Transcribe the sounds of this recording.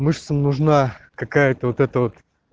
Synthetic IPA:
mɨʂt̪səmnʊʐnakɐkajət̪əvot̪ɛt̪əvot̪

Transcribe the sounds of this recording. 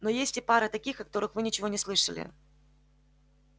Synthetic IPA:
no̞jesʲtʲɪpaɾət̪ɐkʲixɐkɐ̥t̪o̞ɾɨxvɨnʲɪt͡ɕɪvo̞nʲɪslˠɨʂə̰lʲɪ̰

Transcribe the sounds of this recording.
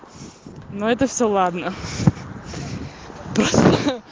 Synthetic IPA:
noɛt̪əfsʲolˠad̪nə | pɾost̪

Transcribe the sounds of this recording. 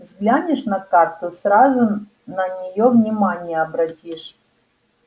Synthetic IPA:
zɡlʲanʲɪʂnɐkart̪ʊsrazʊ | nɐnʲɪjovnʲɪmanʲɪjəɐbɾɐtʲiʂ

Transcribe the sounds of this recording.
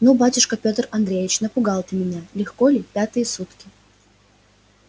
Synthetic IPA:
nobatʲʊʂkəpʲot̪rɐnd̪ɾʲejʲɪt͡ɕnəpʊɡɑlˠt̪ʲɨmʲɪnʲalʲɪxkolʲɪpʲat̪ɨjəsut̪kʲɪ

